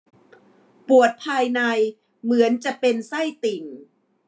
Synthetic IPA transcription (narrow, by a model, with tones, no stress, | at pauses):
pu˨˩ət̪̚pʰaː˧jna˧j | mɯ˩˦ənt͡ɕa˨˩pe˧nsa˥˩jt̪i˨˩n